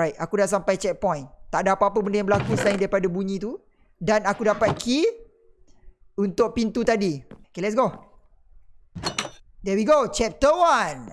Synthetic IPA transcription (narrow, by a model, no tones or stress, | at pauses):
ajt̚akudaʔs̬ampajt͡ʃɛk̚pɔ̃jnt̪aʔdaapaapəbəndajãŋbəlakusəlaɪ̃ndaɾipadabuɲĩt̪u | danakudapat̪̚kʰi | unt̪ʊk̚pint̪ut̪adiokelɛts̬ɡo | dɛwiɡot͡ʃɛp̚t̪əwan